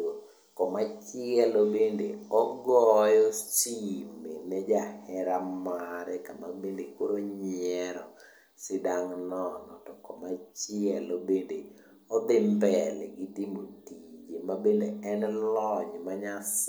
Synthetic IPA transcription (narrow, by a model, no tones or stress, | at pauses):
kɔmat͡ʃɪɛlobendḛɔɡɔjɔt͡ʃimenɛd͡ʒahɛɾamaɾɛkamabendekoɾoɲɪɛɾɔ̰ | sɪdaŋnɔnɔtɔkɔmat͡ʃɪɛlobende | ɔd̪ɪmbɛlɛ̰ɡɪtimotid͡ʒemabendeɛnlɔɲmaɲas